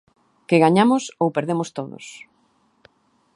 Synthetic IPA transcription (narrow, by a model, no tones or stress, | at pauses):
keɣaɲamʊsowpeɾðemʊst̪oðʊ̰s